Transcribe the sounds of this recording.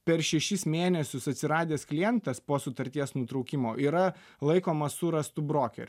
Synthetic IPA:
pʲɛɾʃʲɛʃʲɪsmʲeːnʲɛsʲʊsɐt̪ʲsʲɪɾɑːd̪ʲeːsklʲɪjɛnt̪ɐspoːsʊt̪ɐɾʲt̪ʲiɛsnʊt̪ɾɐʊkʲɪmoːʔiːɾɐ | lˠɐɪkoːmɐssʊɾɐst̪ʊbɾoːkʲɛ̰ɾʲ

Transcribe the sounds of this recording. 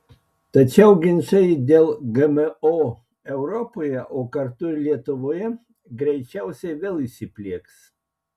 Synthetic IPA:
t̪ɐt͡ʃʲɛʊɡʲɪnʲʃɐɪd̪ʲeːlˠɡɛmɛoː | ɛʊɾɔpoːjɛʔoːkɐɾt̪ʊlʲiɛt̪ʊʋoːjɛ | ɡɾʲɛɪt͡ʃʲæˑʊsʲɛɪʋʲeːlˠisʲɪpʲlʲiɛks

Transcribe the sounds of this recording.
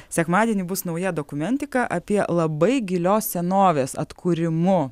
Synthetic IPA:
sʲɛkmɑːd̪ʲiɛnʲɪbʊsnɐʊjɛd̪oːkʊmʲɛnʲt̪ʲɪkɐʔɐpʲiɛlˠɐbɐɪɡʲɪlʲoːssʲɛnoːʋʲeːsɐ̰t̪kʰʊɾʲɪmʊ

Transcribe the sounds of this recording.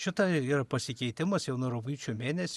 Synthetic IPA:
ʃʲɪt̪ɐiːɾɐpɐsʲɪkʲɛɪt̪ʲɪmɐsjɛʊnuɾɐʋiːt͡ʃʲuːmʲeːnʲɛsʲ

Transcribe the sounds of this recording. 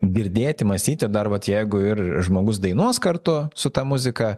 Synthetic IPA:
ɡʲɪɾʲd̪ʲeːt̪ʲɪmɐsʲt̪ʲiːt̪ʲɪd̪ɐrʋɐt̪jɛɪɡʊɪrʒmoːɡʊsd̪ɐɪnuɔskɐrt̪ʊsʊt̪ɑːmʊzʲɪkɐ

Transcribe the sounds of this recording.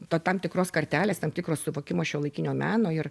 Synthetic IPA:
t̪ot̪ɐmt̪ʲɪkɾoːskɐɾʲt̪ʲæːlʲeːst̪ɐmt̪ʲɪkroːssʊʋoːkʲɪmoːʃʲuːlˠɐɪkʲɪnʲoːmʲæːnoːɪr

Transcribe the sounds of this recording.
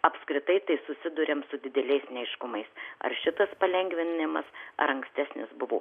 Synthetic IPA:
ɐpskɾʲɪt̪ɐɪt̪ɐɪsʊsʲɪd̪ʊɾʲemsʊd̪ʲɪd̪ʲɛlʲɛɪsnʲɛɛɪʃkʊmɐɪsɐ̰rʃʲɪt̪ɐspɐlʲɛŋʲɡʋʲɪnʲɪmɐ̰sɐ̰ɾɐŋksʲt̪ʲæːsʲnʲɪ̰sbʊʋoː

